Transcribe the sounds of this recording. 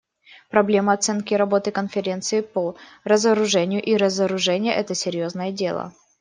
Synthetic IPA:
pɾɐblʲe̞məɐt̪sɛnkʲɪɾɐbo̞t̪ɨkənfʲɪɾʲe̞nt̪sɨɪpo | rəzəɾʊʐɛnʲɪjʊʔiɾəzəɾʊʐɛnʲɪjəʔɛt̪əsʲɪɾʲjo̞znəjədʲe̞̰lˠə̰

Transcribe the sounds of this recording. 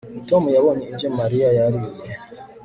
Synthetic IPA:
tɔmujawɔɲiiɲd͡ʒɛmaɾiajaɾijɛ

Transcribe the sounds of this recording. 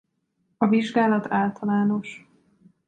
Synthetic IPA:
ɒviʒɡaːlɒt̪ʰaːlt̪ɒlaːno̞ʃ

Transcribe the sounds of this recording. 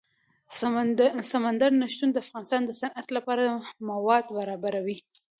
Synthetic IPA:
samand̪aɾnaʃt̪und̪əafɣɑnɪst̪ɑnd̪əsanʔat̪lapɑɾamawɑd̪baɾɑbaɾawi

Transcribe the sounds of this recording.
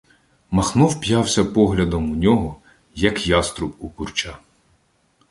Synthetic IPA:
mɐxnɔwpjɑwsʲɐpɔɦlʲɐd̪ɔmunʲɔɦɔ | jɐkjɑst̪ɾʊpukurt͡ʃa

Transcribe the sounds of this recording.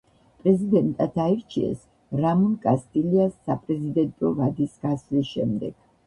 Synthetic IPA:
pʼɾɛzid̪ɛnt̪ʼat̪ʰaiɾt͡ʃʰiɛ̰s | ɾamɔnkʼast̪ʼiliasːapʼɾɛzid̪ɛnt̪ʼɔvad̪isɡ̥aslisʃɛ̰md̪ɛ̰ɡ̥

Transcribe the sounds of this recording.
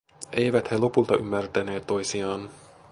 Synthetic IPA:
ejʋæt̪helo̞pult̪ɑʔymːært̪æneːt̪ːo̞jsiɑːn

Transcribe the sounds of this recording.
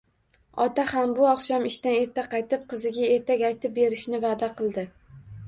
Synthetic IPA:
ɒt̪ahambʊɒqʃɒmɪʃt̪ane̞ɾt̪ʰaqʰɑjt̪ɪp̚qʰɨzɪɡʲae̞ɾt̪ʰakʲajt̪ʰɪp̚be̞ɾɪʃnɪvad̪aqɨlˠd̪ɪ

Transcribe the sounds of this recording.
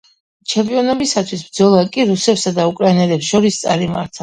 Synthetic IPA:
t͡ʃʰɛmpʼiɔnɔbisat̪ʰwisbd̪zɔlˠakʼiɾusɛpsad̪aukʼɾainɛlɛpsʃɔɾist̪sʼaɾima̰ɾt̪ʰa

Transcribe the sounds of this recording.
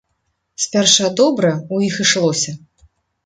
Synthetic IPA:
sʲpʲɛrʂɐd̪ɔbɾɐujixɨʂlˠɔsʲɐ

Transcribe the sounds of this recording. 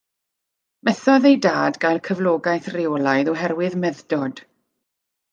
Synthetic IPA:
mɛθɔðejdaːdɡajlˠkʰəvlˠoːɡajθrɪwlˠajðɔɦɛrwɨðmɛðdɔd̥

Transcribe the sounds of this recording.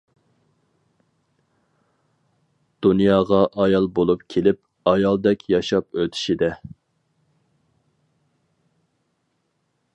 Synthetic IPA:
d̪̥unjɑːʁɑʔɑjɑlˠbolˠupkʲʰelɪp̚ | ɑjɑlˠd̪ɛkʲʰjɑʃɑpøt̪ʰɪ̥ʃid̪ɛ

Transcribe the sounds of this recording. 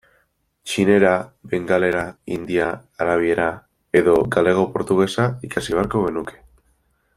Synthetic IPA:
t͡ʃine̞ɾabe̞ŋɡale̞ɾaḭnd̪iaːɾaβ̞ie̞ɾa | e̞ðo̞ɡale̞ɣ̞o̞po̞ɾt̪uɣe̞saikasiβe̞aɾko̞ɣenuke̞̥

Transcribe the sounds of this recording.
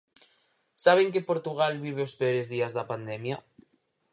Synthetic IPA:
saβ̞eŋkepoɾt̪uɣ̞alβiβ̞eospeoɾezðiazðapand̪ɛmja

